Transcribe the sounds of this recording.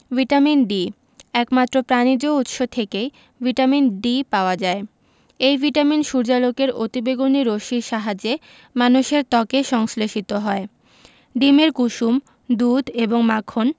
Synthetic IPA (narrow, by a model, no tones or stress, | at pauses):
vʱiʈaminɖi | ɛkmat̪ːɾopɾanid͡ʑout̪ʃot̪ʰekej | vʱiʈaminɖipaoad͡ʑae | ejvʱiʈaminʃuɾd͡ʑalokeɾot̪ibeɡoniɾoʃiʃaɦad͡ʑe | manuʃeɾt̪ɔkeʃɔŋsleʃit̪oɦɔe | ɖimeɾkuʃum | d̪ud̪ʱeboŋmakʰon